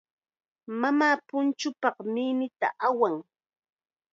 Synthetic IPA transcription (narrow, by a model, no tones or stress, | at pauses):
mamaːpʊnt͡ʃʊpɑqminɪt̪a̰ʔawaŋ